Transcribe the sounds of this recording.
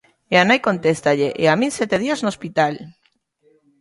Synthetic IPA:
eanajkont̪est̪aʎeʔeamĩnsjet̪eð̞iaznoːspit̪al

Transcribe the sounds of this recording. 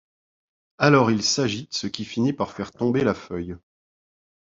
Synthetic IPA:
alɔʁilsaʒid̪əsəkʲifinipaʁfɛʁt̪ɔ̃belafœj

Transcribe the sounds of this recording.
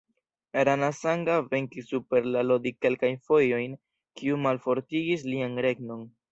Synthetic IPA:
aɾanasaŋɡave̞ŋkisupe̞ɾlalo̞dike̞lkajnfo̞jo̞jn | kiumalfo̞ɾtiɡis̬lianɾe̞ɡno̞n

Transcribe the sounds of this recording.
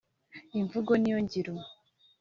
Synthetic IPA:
iɱvuɡonijo̞ɲɟiɾo

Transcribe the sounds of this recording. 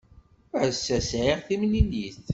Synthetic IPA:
ʕsːæsʕiʁθimninjiθ

